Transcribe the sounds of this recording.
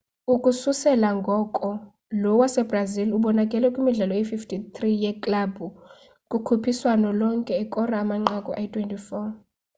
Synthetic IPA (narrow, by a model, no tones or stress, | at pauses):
ukʼususɛlaŋɡʱɔkʼɔ | lɔwasɛbraziluɓɔnakʼɛlɛkʼwimiɮɛlɔjififtʰit̪ʰrijɛkʼlabu | kʼukʰupʰiswanɔlɔŋkʼɛːkʼɔraːmaŋ͡ǃakʼɔʔatʰʼwɛntʼifɔ